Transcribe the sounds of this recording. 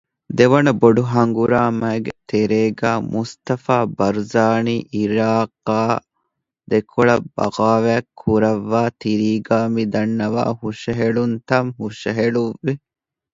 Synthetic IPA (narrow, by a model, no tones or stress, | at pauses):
d̪eʋɐnɐboɖuɦɐŋɡuɾaːmɐeɡet̪eɾeːɡæːmʔust̪ɐfaːbɐɾzaːniːʔiɾaːqːaː | d̪ekʰoɭɐb̥ɐ̰ɡaːʋækʰːuɾɐʋːaːt̪iɾiːɡaːmid̪ɐnːɐʋa̰ːhuʂɐɦeɭunt̪ɐmhuʂɐɦeɭuʋːi